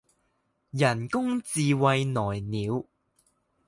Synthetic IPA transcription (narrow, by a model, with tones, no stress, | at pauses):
jɐ˨˩nkʊ˥ŋt͡siː˧wɐ˧jnɔː˨˩jniː˨˧w